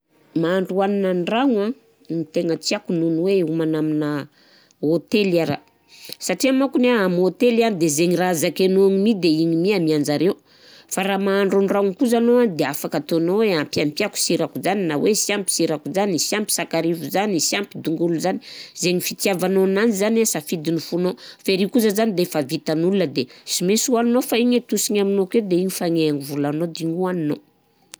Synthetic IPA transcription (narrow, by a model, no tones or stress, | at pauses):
maːɳɖ͡ʐuaninanraŋa | nit̪eŋət͡siakununweumanaminə | ot̪elaɾa̰ | saʈ͡ʂiamakuneamot̪elianid̪ezeŋirazakenuaŋimid̪eiɲimiamiand͡zaɾeu | faɾamaːɳɖ͡ʐuɳraikuzanoad̪eafakat̪onoweampiampjaku̥siɾakuzaninawesiampi̥siɾakuzanisiampi̥sakaɾivuzanisiampid̪uŋɡuluzani̥zeɲifit̪iavanoananizanasafid̪inifunofeɾiwkuzəzanid̪efavit̪anulunəd̪esimesuaninofaiɲet̪usiɲaminoked̪eiɲifaŋeaŋivulanod̪iɲuanino